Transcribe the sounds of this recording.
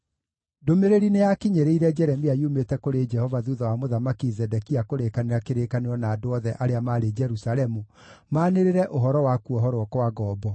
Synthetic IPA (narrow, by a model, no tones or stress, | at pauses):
domeɾeɾinejakiɲeɾeiɾɛd͡ʒɛɾɛmiaiumetɛkoɾed͡ʒɛhɔvaðuðawamoðamakizɛdɛkiakoɾekaneɾakeɾekaneɾɔnaːdoɔðɛʔaɾeamaːɾed͡ʒɛɾusalɛmu | maːneɾeɾɛʔoɦɔɾɔwakuɔɦɔɾwɔkwaɡɔːbɔ